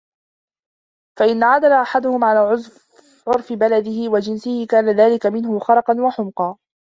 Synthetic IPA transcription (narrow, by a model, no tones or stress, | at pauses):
faʔɪnːaʕad̪alaʔaħad̪ʊhʊmʕalaːʕʊ | ʕʊɾfɪbalad̪ɪhɪwad͡ʒɪnsɪhɪkaːnaðaːlɪkamɪnɦʊxɑɾˤɑqɑnwɑħʊmqɑː